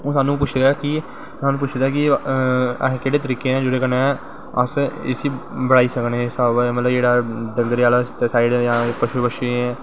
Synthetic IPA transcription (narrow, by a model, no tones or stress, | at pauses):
õːsaːnːũːp̬ʊt͡ʃʰd̪aːki | saːnũːpʊt͡ʃʰd̪aːkɪ̰̃ | keːɽeːt̪əɾiːkeːãːd͡ʒeɽeːkənẽː | ə̰sḛsiːbəɽaːiːsəknẽsamət̪ləbd͡ʒeːɽaːɖəŋɡəɾjaːlaːt̪esaːɪɖɛːjãːpəʃuːbəʃeɛ̃ː